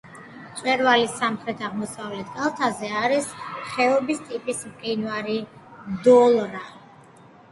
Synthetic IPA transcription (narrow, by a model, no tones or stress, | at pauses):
t̪sʼwɛɾvalisamχɾɛt̪ʰaʁmɔsavlɛt̪ʰkʼalˠt̪ʰazɛaɾisχɛɔbist̪ʼipʼismqʼinvaɾid̪ɔlˠɾa